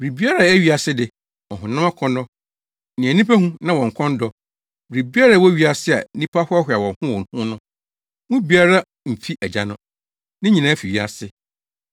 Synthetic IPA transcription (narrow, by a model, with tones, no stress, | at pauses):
bɾi˨bi˦a˦ɾa˦˨æ˦ɥi˨a˨sɪ˦dɪ˨ | ɔ˨ɦʊ̃˨nã˦mã˦kʰɔ̃˦nɔ˦ | nɪ̃˨æ˨nĩ˦pʰæ˦hũ˦nã˦wɔ̃˨ŋ̩˨kʰɔ̃˦n˦dɔ˨ | bɾi˨bi˦a˦ɾa˦wɔ˦ɥi˦a˨sɪ˦a̰˨nĩ˦pʰa˦hʊ˦a˦ɦɪ˨a˨wɔ̃˨hʊ̃˦wɔ˨n˨hʊ̃˦nʊ̃˦ | ŋʊ̃˦bi˨˦a˦ɾa˦ | m̩˨fi˦ʔæ˨d͡ʑa˨nʊ̃˦ | nɪ̃˦ɲĩ˨nã˦fi˨ɥi˦a̰˨sɪ˨